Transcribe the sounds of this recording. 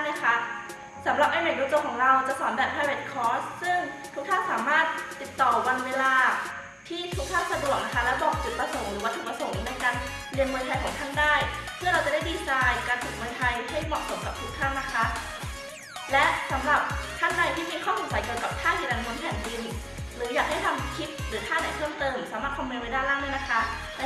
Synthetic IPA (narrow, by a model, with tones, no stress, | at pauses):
na˥˩kʰa˦˥ʔ | sa˩˦mɾa˨˩p̚ʔa˧jmaː˨˩j̚o˧t͡ɕ̪o˧kʰɔː˩˦ŋɾa˧wt͡ɕa˨˩sɔː˩˦nbɛː˨˩p̚pʰaː˧jwe˦˥t̪̚kʰɔː˦˥ssɯ˥˩ŋt̪ʰu˦˥k̪̚ʰaː˥˩ŋsaː˩˦maː˥˩t̪̚ːi˨˩t̪ːɔː˨˩wa˧nweː˧laː˧ | t̪ʰiː˥˩t̪ʰu˦˥k̚tʰaː˥˩ŋsa˧du˨˩ək̚na˦˥kʰa˦˥lɛ˦˥bɔː˨˩k̚t͡ɕu˨˩t̪̚pɾa˧so˨˩˦ŋɾɯː˨˩˦waː˥˩uː˨˩pɾa˧so˩˦ŋna˧jkaː˧n | dɯ˧ənmu˧jt̪ʰa˧jkʰɔː˩˦ŋt̪ʰaː˥˩ŋdaː˥˩jsʰɯ˥˩ɐɾa˧wt͡ɕa˨˩daː˥˩jdiː˧saː˧jkaː˧nt̪ʰuː˨˩k̚muː˧jt̪ʰa˧jɾi˧˥˦a˥˩jmɔː˨˩so˨˩˦mka˨˩p̚tʰu˦˥k̚t̪ʰaː˥˩na˦˥kʰa˦˥ʔ | lɛ˦˥ʔsa˩˦mɾa˨˩p̚t̪ʰa˥˩ŋa˧jt̪ʰiː˥˩miː˧kʰɔː˥˩so˩˦msa˨˦jki˨˩˨əka˨˩p̚t̪ʰaː˥˩hʰiː˨˩da˧nmʰo˨˦npʰɛː˨˩˦nbi˧n | ɾɯː˩˦jaː˨˩k̚ha˥˩jt̪ʰa˧mkʰi˦˥p̪̚ɾɯː˩˦t̪ʰaː˥˩na˨˩˦pʰɤː˥˩mt̪ɤː˧m˨˩saː˩˦maː˥˩t̪kʰɔ˧miː˧nwa˦˥jdaː˥˩jlaː˥˩ŋnɯ˥˩na˦˥kʰa˦˥ʔ | lɛ˦˥